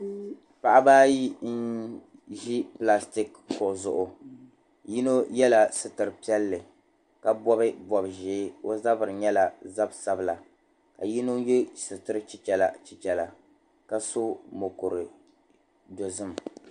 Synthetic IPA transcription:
pa˨ʔa˦baː˦ji˦n̩˦ | ʒi˦pla˦sti˦k | kʊ˨zʊ˨ʔʊ˨ | ji˦no˦jɛ˦la˨sɨ˨tɨ˨ɾɨ˨pi˦ɛ˦lːɨ˨ | ka˦bɔ˦bɨ˦bɔ˨bʒeː˨˦o˦za˦bɨ˨ɾɨ˨ɲɛ˦la˨za˦bsa˦bɨ˦la˨ | ka˨ji˦no˦je˦sɨ˨tɨ˦ɾɨ˦t͡ʃi˦t͡ʃɛ˨la̰˨t͡ʃi˨t͡ʃɛ˨la˨ | ka˦so˦mo˨ko˨ɾɨ˨ | do˨zɨ˦m˨

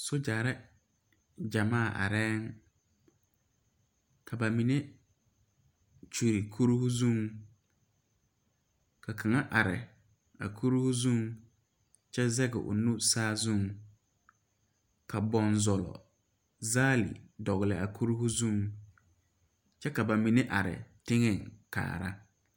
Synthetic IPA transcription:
sʊ˦d͡ʒa˨ɾɪ˦ | d͡ʒa˨maː˦˨ʔa̰˨ɾɛː˦ŋ | kʰa˨ba˨mi˨ne˦ | t͡ʃu˨ɾi˨kʰu˦ɾu˦hʊ˦zũ˦ŋ | ka˨kʰa˨ŋa˦ʔa˨ɾɪ̰˨ | a̰˨kʰu˦ɾhʊ˦zũ˦ŋ | t͡ʃɛ˦zɛ˦ɡɛ̰˨ʔʊ̰˨nu˦saː˦zu˦ŋ | ka˨bɔ˨nzɔ˨lɔ̰˨ | zaː˦lɪ̰˨dɔ˨ɣɪ˨lɪ˨a˨kʰu˦ɾu˦hʊ˦zũ˦˨ŋ | t͡ʃɛ˦ka˨ba˨mi˨ne˦ʔa̰˨ɾɪ̰˨tɪ˦ŋɛ˨ŋka̰ː˨ɾa̰˦

